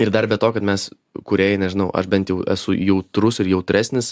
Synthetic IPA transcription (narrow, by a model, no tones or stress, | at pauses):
ɪrd̪ɐrbʲɛt̪oːkɐt̪mʲɛs | kʊɾʲeːjɛnʲɛʒʲɪnɐʊʔɐ̰ʃbʲɛnt̪jɛʊʔæsʊjɛʊt̪ɾʊsɪɾjɛʊt̪ʲɾʲæsʲnʲɪs